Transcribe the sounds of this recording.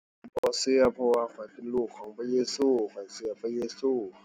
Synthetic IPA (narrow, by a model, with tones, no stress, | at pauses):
bɔː˨˦sɯ˧ɐpʰɔ˧waː˧kʰɔ˨˩˦jpe˧˨nluː˧˩kʰːɔː˨˦ŋpʰa˧jeː˧suː˧˩kʰɔ˨˩jsɯ˧˦ɐ˧pʰa˧jeː˧suː˧˩